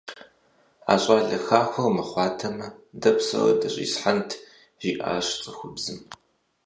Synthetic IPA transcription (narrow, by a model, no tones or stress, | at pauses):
a̰ːɕʼaːɮɐxaːxʷɐrmɐχʷɑːtʰɐmɐdɐpsɐ̰rɐ̰dɐɕʼḭːsħantʰ | ʒ̥iːʔa̰ːɕt͡sʼɐxʷʊbzɨm